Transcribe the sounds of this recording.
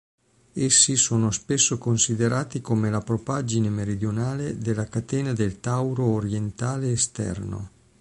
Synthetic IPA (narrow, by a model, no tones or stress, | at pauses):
esːisoːnospesːokonsid̪eɾʔaːt̪ikomelapɾopad͡ʒinemeɾid̪jonaːled̪elːakat̪eːnad̪elt̪awɾoːɾjent̪aːleːst̪ɛ̰rno̰